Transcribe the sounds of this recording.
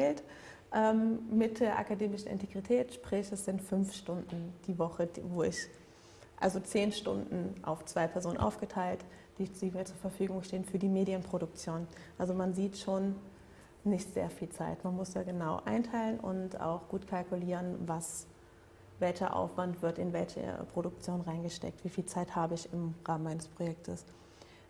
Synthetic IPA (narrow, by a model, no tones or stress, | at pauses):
lt | ʔɛːmmɪt̚d̥eːɐʔa̰kadeːmɪʃn̩ɪ̰nteɡʁitʰɛːtʃpʁ̥ɛːçəsz̥ɪntfʏnfʃtʊndn̩d̥iːvɔχədvoːɪç | ʔa̰lzot͡seːnʃtʊ̰ndn̩ʔa̰ʊft͡sv̥aɪpʰɛɐzoːnənʔa̰ʊfɡ̥ətʰaɪltd̥iːz̥iːmiːɐt͡suɐfɛɐfyːɡʊŋʃteːənfyːɐdiːmeːdiənpʁ̥oɾʊk̚t͡sjoːnʔalzomanziːtʃoːnː | ɪçtz̥ḛːɐfiːlt͡sa̰ɪtmanmʊsd̥a̰ːɡənaʊʔa̰ɪntʰaɪlənʔʊ̰nta̰ʊxɡ̥uːtkʰalkuliːʁənvas | vɛlçɐ̰ʔa̰ʊfv̥antv̥ɪɐtɪnvɛlçə̰pʁ̥oɾʊk̚t͡sjoːnʁaɪnɡəʃtɛ̰k̚tv̥iːfiːlt͡saɪthaːbəɪçɪmʁaːmənmaɪnəspʁ̥ojɛk̚tʰəs